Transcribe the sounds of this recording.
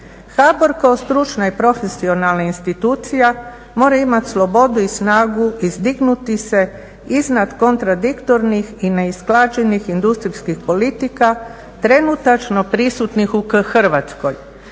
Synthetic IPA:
xabo̞ɾkaost̪ɾut͡ʃnaipɾo̞fesio̞nalnainst̪it̪uːt̪sija | mo̞ːɾaimat̪ʲslˠo̞bo̞d̪uisnaːɡuizd̪iɡnut̪ise̞ | iznad̪ko̞nt̪ɾad̪ikt̪o̞ɾnixine̞isklˠaːd͡ʒe̞nixind̪ust̪ɾiskixpo̞lit̪ika | t̪ɾe̞nut̪at͡ʃno̞pɾisut̪nixukxər̩ʋat̪sko̞j

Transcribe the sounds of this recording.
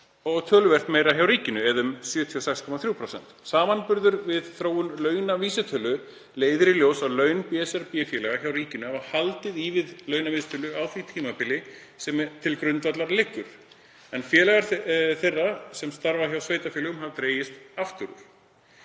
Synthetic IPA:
ɔɣt̪ʰœːlʏvɛr̥t̪meːjɾaçjawɾiːcɪnʏɛðʏmsjʏːt̪ʰiɔsɛxskʰɔmaθɾjuwpʰɾosɛ̰nt̪saːmanpʏɾðʏɾvɪðθɾoːwʏnlœːɥnaviːsɛt̪ʰœːlʏ | leːjðɪɾɪljoːwsalœːɥnpjɛsɛɾpjɛfjɛːlɛɣaçawɾiːcɪnʏɦɛvahalt̪ɪðiːvɪðlœːɥnavist̪ʰœlʏawθit̪ʰiːmapɪlːɪ | sɛmɛɾt̪ʰɪlkɾʏnt̪vat̪laɾlɪhkːʏɾ̥ | ɛnfjɛːlɛɣaɾθejrːasɛmst̪aɾvaçjawsveːjt̪afɛːlɣʏmɦavt̪ɾeːjɪst̪aft̪ʏɾʏ̰ɾ̥

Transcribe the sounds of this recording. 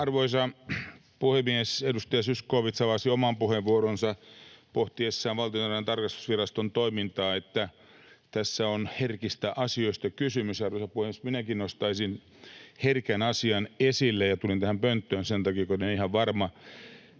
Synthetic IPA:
ɑrʋoisɑ | puhemiesedust̪ɑjɑsyskoːʋit̪sɑʋɑsiomɑmpuheʋʋuoɾonsɑpoht̪iesːæːʋʋɑlt̪ionɑrent̪ɑrkɑst̪u̥sʋirɑst̪ont̪oimint̪ɑːet̪ːæ | t̪æsːæonherkist̪æʔɑsioist̪ɑkysymysɑrʋoisɑpuhemiesminækinost̪ɑisin | herkænɑsiɑnesilːejɑt̪ulint̪æhæmpønt̪ːøːnsent̪ɑkikoneonihɑʋʋɑrmɑ

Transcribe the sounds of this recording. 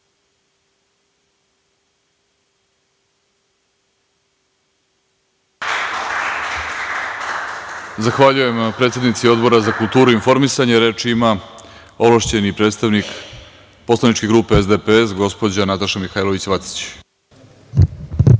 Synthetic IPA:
zaxʋaʎuje̞mpɾe̞t̪sjenit̪sio̞d̪bo̞ɾazakult̪uːɾuinfo̞ɾmisaɲeɾet͡ʂima | o̞lˠaʃt͡ɕenipɾet̪st̪aʋnik | po̞slanit͡ʃke̞ɡɾuːpe̞ezd̪epes̬ɡo̞spo̞d͡ʑanat̪aʃamixajlˠo̞ʋit͡ɕʋat̪si̥t͡ɕ

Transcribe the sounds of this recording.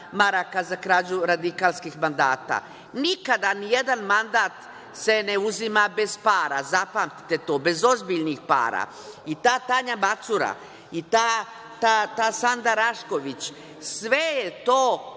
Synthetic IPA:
maɾakazakɾaːd͡ʑuɾad̪ikaːlskixmand̪a̰ːt̪a̰ | nikad̪anije̞d̪anmand̪aːt̪ | se̞ne̞uzimabe̞zpaːɾazapaːmt̪i̥t̪e̞t̪o̞ːbe̞zo̞zbiʎnixpa̰ːɾa̰ | it̪aːt̪aɲabat̪suɾa̰ | it̪aː | t̪at̪aːsand̪aɾaʃko̞ʋit͡ɕ | sʋejet̪oː

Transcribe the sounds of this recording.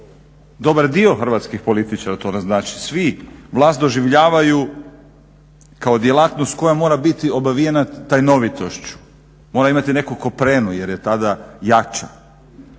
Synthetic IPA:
d̪o̞baɾd̪io̞xr̩ʋat̪skixpo̞lit̪it͡ʃaɾat̪o̞naznaːt͡ʃi̥sʋiʋlˠaːst̪d̪o̞ʒiʋʎaːʋaju | kaod̪jelˠat̪nost̪ko̞jamo̞ːɾabit̪io̞baʋijenat̪ajno̞ʋit̪oʃt͡ɕu̥ | mo̞ːɾaimat̪ine̞kukopɾeːnuje̞ɾjet̪ad̪ajat͡ʃa̰

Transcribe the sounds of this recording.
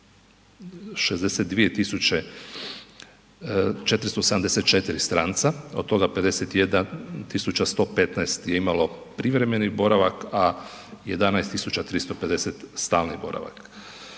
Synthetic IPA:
ʃezd̪eset̪d̪ʋije̞t̪isut͡ɕe | t͡ʃe̞t̪ɾist̪osed̪amd̪eset̪̚t͡ʃet̪iɾist̪ɾaːnt̪saod̪̥̚t̪ːo̞ɡape̞d̪eset̪jed̪at̪isut͡ɕast̪o̞ːpet̪naest̪je̞imalo̞pɾiʋɾe̞me̞nibo̞ɾaʋaka | jed̪anaest̪ːisut͡ɕat̪ɾist̪ope̞d̪e̞set̪st̪aːlnibo̞̰ɾa̰ʋa̰k

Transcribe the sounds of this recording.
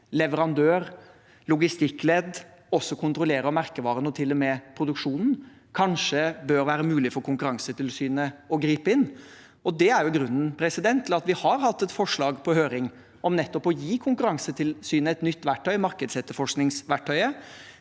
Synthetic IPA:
lɛʋəɾɑnd̪øːɾ | lʊɡɪst̪ɪkːlɛd̪ | ɔsːɔkʰʊnt̪ɾʊleːɾəɔmæɾkəʋɑːɾənɔt̪ʰɪlːɔmɛpʰɾʊd̪ʉkʂuːnn̩ | kʰɑnʂəbøːɾʋæːɾəmʉːlɪfɔɾkʰʊŋkʉɾɑŋsət̪ʰɪlsyːnəɔɡɾiːpəɪnː | ɔd̪ɛæɾjʊɡɾʉnːn̩pʰɾɛsɪd̪ɛnt̪ʰːɪlɑt̪ʋɪhɑɾhɑt̪ːɛt̪fɔʂɭɑːɡpʰɔhøːɾɪŋ | ɔmnɛt̪ːɔpɔjiːkʰʊŋkʉɾɑŋsət̪ʰɪlsyːnəɛt̪nʏt̪ːʋæʈʰːœʏmɑɾkəd̪sɛt̪ːəɾfɔʂknɪŋsʋæʈʰːœʏə

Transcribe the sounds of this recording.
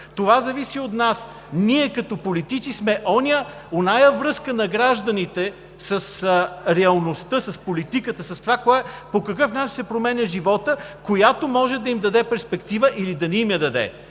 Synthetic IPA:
t̪ovazɐvisiot̪nas | niɛkɐt̪opolit̪it̪t͡ʃ̪ismɛʔɔnʲə | onajəvɾɤskənɐɡɾaʒd̪ɐnit̪ɛ | səsɾɛɐlˠnost̪əsɐspolit̪ikət̪əsɐst̪ovakoapokɐkɤfnat͡ʃinsɛpɾomɛnʲɐʒivɔt̪əkojat̪omɔʒɛd̪ɐimd̪ɐd̪ɛpɛɾspɛkt̪ivəʔilid̪ɐniːmjɐd̪ɐd̪ɛ̰

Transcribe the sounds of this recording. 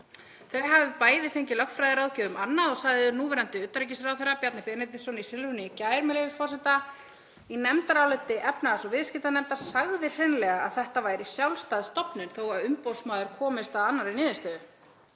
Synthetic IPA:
θejɦavɪpaːjðɪfɪɲcɪlœkfɾajðɪɾaːwðcɛːðʏmanːaðɔsaːjðɪʏnuːvɛɾant̪ɪʏt̪ːaɾic̬ɪsɾawθeɾapjat̪napɛnɛt̪ɪsɔnisɪlvʏnicaːjɾmɛlevɪfɔrsɛt̪a | inɛmt̪aɾawlœt̪ːɪʔɛpnasɔvɪðscɪt̪anɛmt̪ḁsaɣðɪ̥r̥ɛnlɛɣaa̰ðθɛht̪avaːjɾisjawlst̪ajðst̪ɔpnʏnθowaðʏmpowsmaːðʏɾ̥kʰɔːmɪst̪aðanːaɾɪnɪːðɪst̪œðʏ

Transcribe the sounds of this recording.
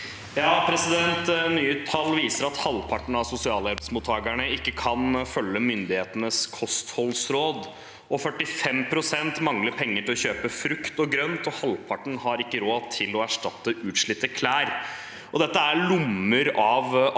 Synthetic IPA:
jɑːpʰɾɛsɪd̪ɛnt̪nyːət̪ʰːɑlːʋiːsəɾɑt̪hɑlpʰɑʈɳ̩ɑʋsʊsɪɑːləɛbsmuːt̪ʰːɑːɡəɳəɪkːəkʰɑnfœlːəmʏnd̪ɪheːt̪ənəskʰɔst̪hɔlsɾoːd̪ | ɔfœʈːɪfɛmpʰɾʊsɛnt̪mɑŋləɾpʰɛŋːəʈɪlɔɕøːpəfɾʉkt̪ɔɡɾœnt̪ɔhɑlpʰɑʈɳ̩hɑɾɪkːəɾoːt̪ʰɪlɔæʂʈɑt̪ːəʔʉːt̪ʂɭɪt̪ːəkʰlæːɾ | ʔɔd̪ɛt̪ːəæɭʊməɾɑʋ

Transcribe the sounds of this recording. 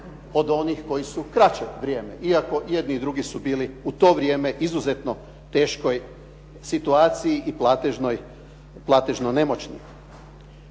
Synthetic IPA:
od̪o̞nixko̞jisukɾat͡ɕeʋɾʲjeːmḛʔiako̞je̞d̪nid̪ɾuɡisubiːliut̪o̞ːʋɾʲje̞ːme̞ʔizuze̞t̪no̞ | t̪e̞ːʃko̞j | sit̪uaːt̪sijiʔiplat̪eʒnoj | plˠaːt̪eʒnone̞mot͡ɕnḭ

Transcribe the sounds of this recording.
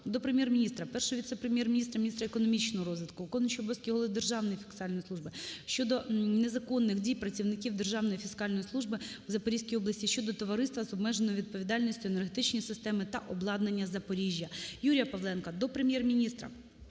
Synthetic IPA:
d̪ɔpɾemjɛrmʲinʲist̪ɾɐpɛrʃɔʋʲit̪sɛpɾemʲjɛrmʲinʲist̪rɐmʲinʲist̪ɾɐekɔnɔmʲit͡ʃnɔɦɔɾɔzʋʲit̪kʊkɔnʃɔbɔskʲiɦɔlˠɪd̪erʒɑwnɔjifʲi̥skɑlʲnɔjislˠuʒbɪʃt͡ʃɔd̪ɔnezɐkɔnːɪxdʲijpɾɐt͡sʲiwnɪkʲiwd̪e̞rʒɑwnɔjifʲiskɑlʲnɔjislˠuʒbɪwuzɐpɔɾʲisʲkʲijɔblˠɐsʲtʲiʃt͡ʃɔd̪ɔt̪ɔʋɐɾɪst̪ʋɐzɔbmɛʒenɔʋʲid̪̚pɔʋʲid̪ɑlʲnʲisʲtʲʊenerɦet̪ɪt͡ʃnʲijsɪst̪ɛmɪt̪ɐʔɔblˠɑd̪nenʲːɐzɐpɔɾʲiʒʲjɐjuɾʲijɐpɐʋlˠɛnkɐd̪ɔpɾemʲjɛrmʲinʲist̪ɾɐ̰

